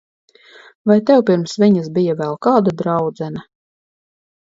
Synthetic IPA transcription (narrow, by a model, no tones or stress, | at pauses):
vajt̪ɛwpiɾmsviɲasbijavɛlˠkaːd̪ad̪ɾɑwd̪zɛna